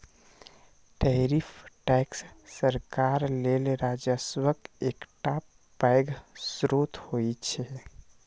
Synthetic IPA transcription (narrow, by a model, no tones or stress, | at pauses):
ʈɛɾipʰʈɛksːəɾkaɾlelɾad͡ʒəswəkekʈa | pajɡsɾot̪hoit͡ʃʰɛ